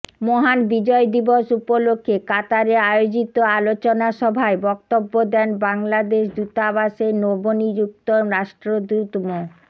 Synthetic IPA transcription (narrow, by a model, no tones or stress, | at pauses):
moɦanbid͡ʑɔed̪iboʃupolokʰːekat̪aɾeajod͡ʑit̪oalot͡ɕonaʃɔbʱaebɔk̚t̪obːod̪ɛnbaŋlad̪eʃ̬d̪ut̪abaʃenobonid͡ʑuk̚t̪omɾaʃʈɾod̪ut̪mo